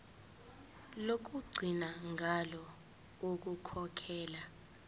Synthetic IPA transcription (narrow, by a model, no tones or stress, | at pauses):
lok̬uɡ͡ǀʱinaŋʱalɔ | uk̬ukʰɔkʰɛːla